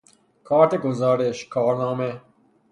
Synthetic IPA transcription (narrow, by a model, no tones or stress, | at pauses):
kʰaːʈ̪ekozaːɾeɕkʰaːɾnaːme